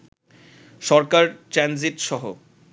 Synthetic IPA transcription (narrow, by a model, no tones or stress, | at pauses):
ʃɔɾkaɾʈɾɛnziʈʃɔɦo